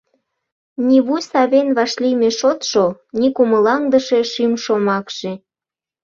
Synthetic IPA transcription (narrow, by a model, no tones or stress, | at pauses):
niβujsɑβenβɑʃlimeʃot̪ʃonikuməlɑŋd̪əʃeʃimʃomɑkʃe